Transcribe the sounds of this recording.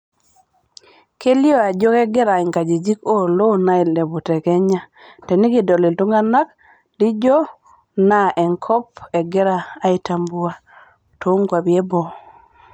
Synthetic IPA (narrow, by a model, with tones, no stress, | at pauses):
ke˦ljɔ˦a˨d͡ʒɔ˦kɛ˦ɡɛ˦ɾa˨ɪ˨ŋka˨d͡ʒi˨d͡ʒi˦ko˦˨lo˦na˦ɪ˨lɛ˨bu˨tɛ˨kɛ˦ɲa˦ | tɛ˨nɪ˦ɡɪ˨dɔ˨lɪ˨ltu˦ŋa˦na˦k̚ | di˦d͡ʒɔ˦ | na˦˨ʔɛ˨ŋkʰɔ˦p̚ɛ˨ɡɛ˦ɾaː˦ɪ˨ta˨mbu˦a˦ | to˨˦ŋkwa˨bjɛ˦bɔ˨